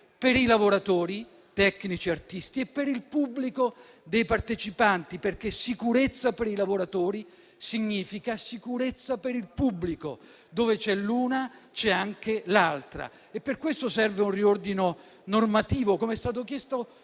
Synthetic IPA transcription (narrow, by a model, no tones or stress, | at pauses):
peɾilavoɾat̪oːɾi | t̪ɛkːnit͡ʃiart̪ist̪iepːeɾilpubːliko | d̪ejpart̪et͡ʃipant̪iperk̟esikuɾet̪sːapeɾilavoɾat̪oːɾi | siɲːiːfikasikuɾet̪sːapeɾilpubːliko̰ | d̪oːvet͡ʃɛluːnat͡ʃɛaŋk̟elalt̪ɾa̰ | epːerkwest̪osɛrveunriord̪ino | normat̪iːvokomeɛst̪aːt̪̬okjɛst̪o